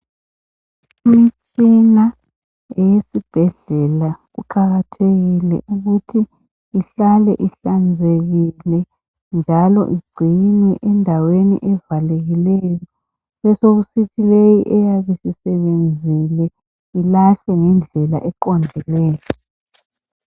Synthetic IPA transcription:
imit͡ʃʼina | ɛjesib̥ʱɛɮɛlaɣuǃʰaɣatʰeɣilɛ̰ʔuɣutʰi | iɬalɛ̰ʔiɬand͡zʱeɣilɛ | nd͡ʒʱalɔ̰ʔiɡ͡ǀʱinɛʔɛndʱawenḭʔɛvaleɣilɛjɔ | βɛsoɣusitʰilejiʔɛjaβesisɛβend͡zʱilɛ | ilaɬɛŋɛnd͡ɮʱɛla̰ʔɛǃɔndʱɛlɛːjɔ

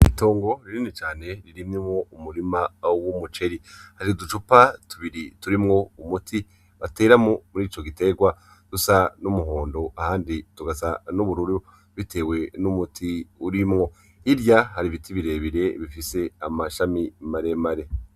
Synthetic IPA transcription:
ito̞ːŋɡo̞ɾiɾinit͡ʃaːne̞ɾiɾimŋimŋo̞umuɾimawumut͡ʃe̞ɾihaɾidut͡ʃupatuβiɾituɾimŋo̞umutʰi | βate̞ːɾamomuɾiːt͡ʃo̞ɡite̞ɡwa | d̥usanumuɦoːndoʔahaːndituɡazanuβuɾuɾu | βitʰe̞ːwe̞numutʰiuɾimŋo̞ | iɾjahaɾiβitʰiβiɾe̞ːβiɾe̞βifise̞amaʃamimaɾe̞maɾe̞

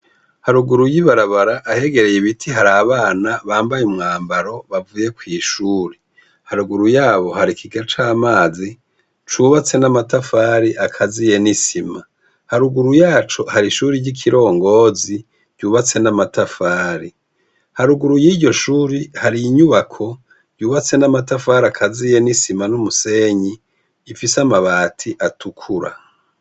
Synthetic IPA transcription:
haɾuɡuɾujiβaɾaβaɾaʔːhe̞ɡe̞ɾe̞jiβitʰiɦaɾaːβaːnaβaːmbajumŋaːmbaɾo̞βavuje̞kwiːʃuːɾi | haɾuɡuɾujaːβo̞haɾikʰiɡat͡ʃaːmaːzi | t͡ʃuβat͡se̞namatafaːɾiʔakʰazije̞nisima | haɾuɡuɾujaːt͡ʃohaɾiʃuːɾiɟikʰiɾo̞ːŋɡoːzi | ɟɟuːβat͡se̞namatafaːɾi | haɾuɡuɾujiːɟɟo̞ʃuːɾihaɾijiɲuβakʰo̞ | juːβat͡se̞namatafaːɾiakʰazije̞nisimanumuse̞ːɲiː | fisamaβaːtʰiʔatukʰuɾa̰

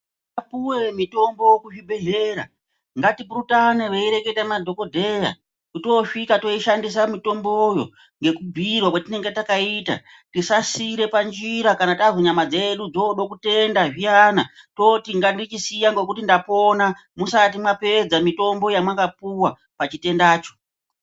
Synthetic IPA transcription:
apuwe̞mito̞mbo̞jokuʐibʱe̞ɮe̞ɾa̰ | ŋɡatipuɾutane̞ʋe̞iɾe̞ke̞tamadʱo̞ko̞dʱe̞ja̰ | kuto̞ʂikato̞iʃandis̬amito̞mbo̞jo̞̰ | ŋɡe̞kubʱirwakwatine̞ŋɡe̞takaita̰ | tisasiɾe̞pand͡ʒiɾakanatazoɲamad͡zeɗud͡zoɗo̞kute̞ndaʐianato̞tiŋɡandit͡ʃisijaŋɡo̞k̬utindapo̞na | musat̬imwape̞d͡zamito̞mbo̞jamwakapuwa | pat͡ʃite̞ndaːt͡ʃo̞̥

